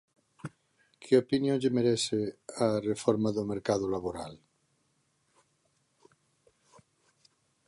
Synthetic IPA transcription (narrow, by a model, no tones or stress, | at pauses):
kʰeopinjõʎemeɾesearefoɾmaðomeɾkaðolaβoɾa̰l